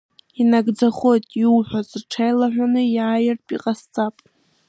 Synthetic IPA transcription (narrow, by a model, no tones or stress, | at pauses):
inaɡd͡zaχo̞jtʼiwħʷazrʈ͡ʂʰajlaħʷᶣanɨjaːjɪrtʼiqʼast͡sʼapʼ